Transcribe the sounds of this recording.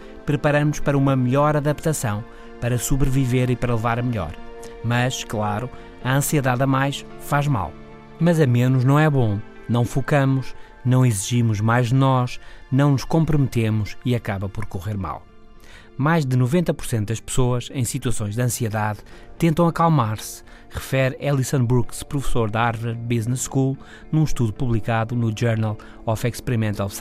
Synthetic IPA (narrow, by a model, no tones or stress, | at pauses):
pɾɨpɐɾɐmuʃpɐɾɐumɐmɨʎɔɾɐðɐpt̪ɐsɐ̃w̃ | pɐɾɐsuβɾɨviveɾipɐɾɐlˠɨvaɾɐmɨʎɔ̰ɾmɐʃklˠaɾu | ɐɐ̃siɨðaðɐmajʃfaʒma̰lˠ | mɐzɐmenuʒnɐ̃w̃ɛβõ | nɐ̃w̃fukɐmuʃ | nɐ̃w̃iziʒimuʒmajʒðɨnɔʃnɐ̃w̃nuʃkõmpɾumɨt̪emuʃiɐkaβɐpɔɾkuʁeɾma̰lˠ | majʒd̪ɨnuvẽnt̪ɐpuɾsẽnt̪̚d̪ɐʃpɨ̥soɐʃɐ̃j̃sit̪wɐsõj̃ʒd̪ɐ̃siɛðaðt̪ẽnt̪ɐ̃w̃ɐkalˠmaɾs | ʁɨfɛɾɛlˠisɐ̃nbuɾɣspɾufsoɾðaɾvɛɾβiznɛkulˠ | nũʃt̪uðjupuβlˠikaðunuʒɛɾnɐlˠ | ɔfɛkʃpɾimẽnt̪ɔlˠs